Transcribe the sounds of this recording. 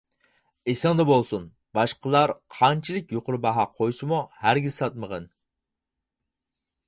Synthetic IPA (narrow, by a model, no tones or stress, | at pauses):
esɨŋd̪ɛbolˠsun | bɑʃqʰəlˠɑɾqʰɑnt͡ʃʰilˠɪk̚ʲjoqʰʊɾbɑɦɑqʰojsɨmuhæɾɡʲiz̥sɑt̪̚məʁən